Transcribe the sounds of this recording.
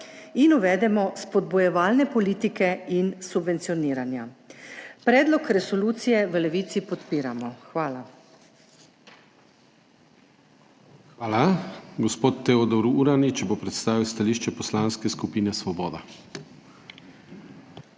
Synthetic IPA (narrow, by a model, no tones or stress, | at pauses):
inuʋɛːd̪ɛmɔspɔd̪̚bujɛʋaːlnɛpɔliːt̪ikɛinsubʋɛnt̪siɔniːɾanja | pɾɛːd̪lɔkɾɛsɔluːt̪sijɛʋəlɛʋiːt̪sipɔt̪piːɾamɔxʋaːla | ʋaːlaɡɔspoːt̪ːɛod̪ɔɾuɾanit͡ʃɛbopɾɛt̪st̪aːʋiwst̪aliːʃt͡ʃɛpɔslaːnskɛskupiːnɛsʋɔbɔːd̪a